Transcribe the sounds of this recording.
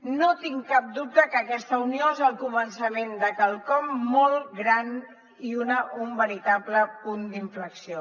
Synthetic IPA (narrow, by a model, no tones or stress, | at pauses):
not̪iŋkap̚d̪up̚t̪əkəːkɛst̪əunioezəlˠkumənsəmend̪əkəlˠkɔmːɔlˠɡɾan | iunəʔumbəɾit̪abləpund̪iɱfləksio